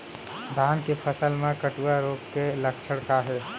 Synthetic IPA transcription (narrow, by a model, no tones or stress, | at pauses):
d̪ʱaːnkepʰəsəlmẽkəʈuaɾoːkkeləkʰt͡ʃʰəɽkaɦɛː